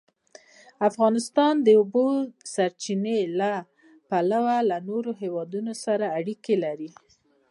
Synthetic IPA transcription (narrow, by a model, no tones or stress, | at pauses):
afɣɑnɪst̪ɑnd̪əobosaɾt͡ʃinela | palawalanoɾoɦewɑd̪unosaɾaːɽikelaɾi